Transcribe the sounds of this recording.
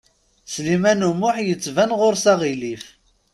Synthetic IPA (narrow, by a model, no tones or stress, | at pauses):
slimænumʊħjət͡sːvænʁʊɾsɑʁilif